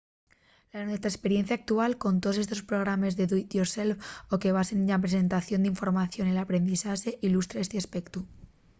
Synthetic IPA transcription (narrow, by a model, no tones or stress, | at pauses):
lanwe̞st̪ɾaespe̞ɾje̞n̟θjaːk̚t̪ualko̞nt̪oðse̞st̪o̞spɾo̞ɣ̞ɾamezðe̞ðwit̪joɾse̞lfoke̞βasenɲap̬ɾe̞se̞nt̪aθjo̞nd̪eiɱfo̞ɾmaθjo̞nelapɾe̞nd̪isaxeʔilust̪ɾaest̪easpe̞kt̪u